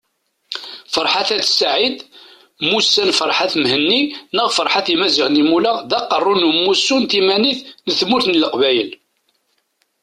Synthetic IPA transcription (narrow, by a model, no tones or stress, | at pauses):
fəɾˤħaθæθsʕid̪ | musːænfəɾˤħaθmhənːinəʁfəɾˤħaθimæziʁnimulæʁðæqːərˤːʊnumːusːunt̪imæniθnəθmuɾθnələqvæjəl